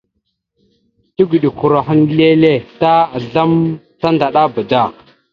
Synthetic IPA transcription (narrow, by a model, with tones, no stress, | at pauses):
ti˦ɡu˨ɗi˨ku˨ɾa˨xə˦n˦le˦le˦ta˦a˨ɮa˦m | ta˦nda˨ɗa˦ba˨da˦˨